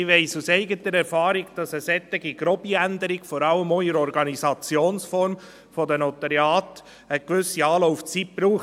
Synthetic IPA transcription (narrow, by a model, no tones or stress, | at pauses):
ɪʋɛɪsusɛɪɡətəɾɛɾfɑːɾiɡd̥ɑsəsɛt̪ːɪɡiɡ̥ɾɔbiændəɾiɡ̥fɔɾɑləmɔɪəɾɔɾɡɑnizɑt͡sjoːnsfɔɾm | fɔdənɔt̪ɑɾjɑːt | əkʋʏsiɑːlɔʊft͡sit̚b̥ɾuːχ